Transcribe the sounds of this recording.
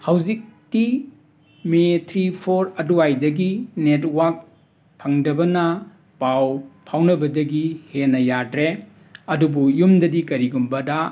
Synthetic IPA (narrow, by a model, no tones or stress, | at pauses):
hawzik̚ti | metʰɾipʰoɾɐduajdɐɡinetwak̚ | pʰɐŋdɐbɐnɐ | pawpʰawnɐbɐdɐɡihenɐjadɾe | ɐdubujumdɐdikɐɾiɡumbɐda